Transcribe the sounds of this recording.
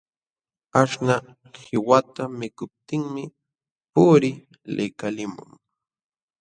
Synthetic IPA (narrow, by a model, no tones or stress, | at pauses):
aʂna | hɪwat̪amɪkʊp̚t̪ɪŋmɪ | pʊɾɪ | lɪkalɪmʊ̰ŋ